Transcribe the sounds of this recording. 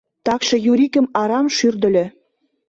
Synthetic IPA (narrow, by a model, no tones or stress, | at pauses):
t̪ɑkʃɤ̆juɾikə̆mɑɾɑmʃyrd̪ə̆lʲø̆